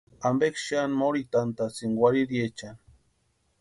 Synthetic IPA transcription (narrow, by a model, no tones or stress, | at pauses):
ambekʃanmoɾit̪ant̪at͡siŋɡwʷaɾiɾijet͡ʃan